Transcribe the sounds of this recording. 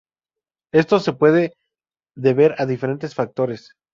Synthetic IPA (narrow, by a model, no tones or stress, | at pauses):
e̞st̪o̞se̞pwe̞ðe | ðe̞βe̞ɾaðife̞ɾe̞nt̪e̞sfak̚t̪o̞ɾe̞s